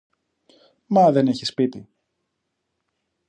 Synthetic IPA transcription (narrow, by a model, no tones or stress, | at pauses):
mɐðe̞ne̞çi̥spit̪i